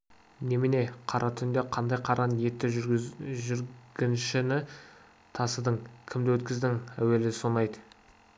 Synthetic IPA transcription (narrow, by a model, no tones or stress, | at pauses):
ne̞mɪne̞qʰɑɾʔɑt̪ʰʏnd̪eqʰɑnd̪ɑjqʰɑɾʔɑnje̞t̪ːɪʒʏɾɡʲɪnʃɪnɪ | t̪ʰɑsəd̪əŋkʲʰɪmd̪ɪwɵt̪kʲɪzd̪ɪŋæ̰we̞lɪsonɑjd̪ə